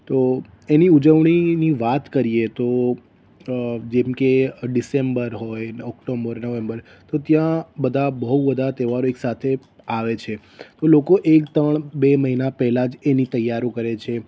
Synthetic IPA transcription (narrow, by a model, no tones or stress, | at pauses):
t̪o | eniud͡ʒəʋɳ̃iniʋat̪kəɾiet̪o | d͡ʒemkeɖisembəɾɦojɔkʈobəɾnəʋembəɾ | t̪ot̪jãbəd̪ʱabəɦuʋəd̪ʱat̪eʋaɾoeksat̪ʰe | aʋet͡ʃʰe | t̪olokoʔekt̪əɳbeməɦinapɛɦlad͡ʒenit̪əjːaɾõkəɾet͡ʃʰe